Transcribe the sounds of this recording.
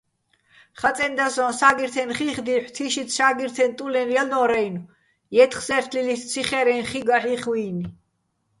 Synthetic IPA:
χat̪t͡s̪ʼɛnd̪asɔnsaɡiɾt̪ʰɛnχiχd̪iħʷt̪ʰiʃit̪ʰʃaːɡiɾt̪ʰɛnt̪ʼulɛnialnɔɾɛjnu | jɛt̪ʰχsɛɾt̪ʰlilissʰiχɛɾɛnχiɡaħiχwiːni

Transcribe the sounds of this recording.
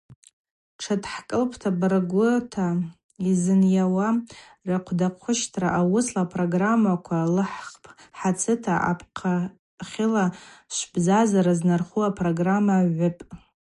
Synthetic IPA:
ʈ͡ʂʰatʰʼħkʼɨlpʰtʰabraɡʷʊtʰa | izɨnjawa | raqʷʰdaqʷʰʊʃtʰraʔawʊslapʰroɡramːakʷʰalɨħpʰʼħat͡sʰɨtʰaʔa̰pʰqʰa | χʲɪlaʃʷbzazaɾaznarχuapʰroɡramːaʕʷʊpʼ

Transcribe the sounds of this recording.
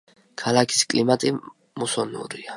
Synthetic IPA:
kʰalakʰi̥skʼlimat̪ʼi | musɔnṵɾia

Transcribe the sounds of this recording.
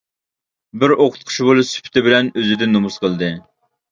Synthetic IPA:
bɪɾoqʰʊ̥t̪̚qʰʊ̥ʃbolˠusy̥pʰt̪ʰɪbɪlɛnøzɪd̪ɪnːumusqʰəlˠd̪ɨ

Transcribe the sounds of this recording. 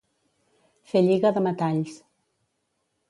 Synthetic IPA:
feʎiɣəðəmət̪aʎs

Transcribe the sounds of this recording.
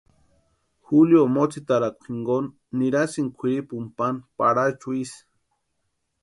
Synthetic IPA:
xuljomot͡sit̪aɾakʷu̥xiŋɡonː | iɾasiŋkʷʰiɾipumpanpaɾat͡ʃuis

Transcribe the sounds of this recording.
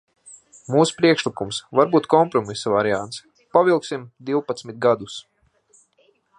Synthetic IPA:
muːspɾiɛkʃlikumsvaɾbuːt̪kɔmpɾɔmisavaɾiant̪s | pavilˠksimd̪iwpat̪smit̪̚ɡad̪us

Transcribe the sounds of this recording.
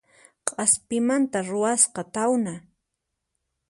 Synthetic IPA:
qʼɑspɪmant̪aɾʊasqɑt̪awna

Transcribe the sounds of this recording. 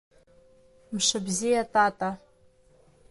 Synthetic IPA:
mʂɨbzijatʰʼatʼa

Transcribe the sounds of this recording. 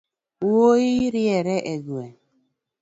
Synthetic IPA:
oiɾiɛɾɛʔeɡuɛ

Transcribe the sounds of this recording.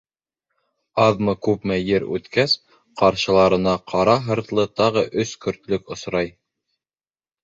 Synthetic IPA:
ɑðmɤkʉpmæjɘɾʉ̰t̪kæs | qɑɾʃɤ̆lˠɑɾɤ̆nɑqʰɑɾɑɦɤ̆ɾt̪lˠɤt̪ɑʁɤʔɵskɵ̆ɾt̪lɵkŏsɾɑj

